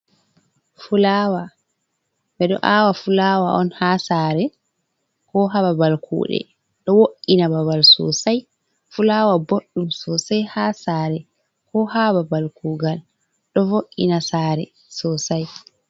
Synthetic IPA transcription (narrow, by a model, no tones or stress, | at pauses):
fulawa | mɛɗɔ̰ʔaːwafulawaʔɔnhasaːɾɛ | kɔɦababalkṵːɗɛ̰ | ɗɔwoʔːinababalsɔ̰saj | fulawaboɗːumsɔsajhasaːɾɛ | kʰɔhababalkuːɡal | ɗɔvoʔːḭnasaːɾɛ | sɔsaj